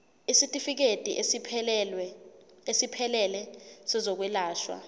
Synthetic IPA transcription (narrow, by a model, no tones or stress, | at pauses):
isitʼifik̬etʼiʔʰ | esipʰɛlɛlɛsɛzok̬wilaːʃwa̰